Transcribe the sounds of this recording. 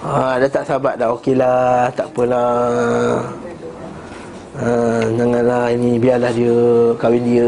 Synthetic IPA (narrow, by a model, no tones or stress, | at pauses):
adat̪aʔsabat̪̚daʔokelat̪aʔpənla | ənaŋanlahinibialahdiəkawindiə